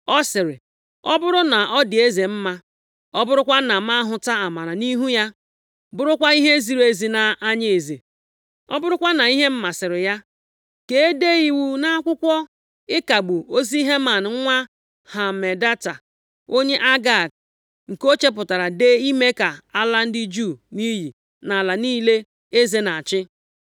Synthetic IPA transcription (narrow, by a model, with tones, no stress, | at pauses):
ɔ˦sɪ˨ɾɪ˨ | ɔ˦bʊ˦ɾʊ˦na˨ɔ˦dɪ˨e˦ze˨m̩˦ma˦ | ɔ˦bʊ˦ɾʊ˦kʷa˦na˨ma˦ɦʊ˨ta˦a˨ma˨ɾa˨ni˦ɦu˦ja˦ | bʊ˦ɾʊ˦kʷa˦i˦ɦe˦zi˨ɾe˨zi˨na˨a˦ɲe˨e˨ze˨ | ɔ̰˦bʊ˦ɾʊ˦kʷa˦na˨i˦ɦe˦m̩˦ma˨sɪ˨ɾɪ˨ja˦ | ke˦e˦de˦i˨wu˦na˦a˦kʷʊ˦kʷɔ˦ | ɪ˦ka˨ɡ͡bu˨o˦zi˦i˦ɦe˦ma˨n˨˦ŋʷa˦ | ha˨me˨da˦ta˨ | o˦ɲe˦ʔa˦ɡa˦˨k | ŋ̩˨ko˦t͡ʃe˦p̬ʊ˨ta˨ɾa˨de˦i˦me˦ka˨a˦la˦n̩˦dɪ˦d͡ʒu˦˨ni˦ɦi˨ | na˨la˨niː˦le˦ | e˦ze˨na˨t͡ʃɪ˦